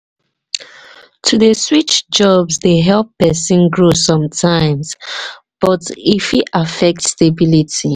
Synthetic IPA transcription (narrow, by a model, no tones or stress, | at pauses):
tʰuðəswit͡ʃd͡ʒɔbzdeɦɛlˠpɛsĩnɡɹosɔ̃mtʰãɪ̃mz | b̥ʌtifhiʔafɛk̚tstebilitʰi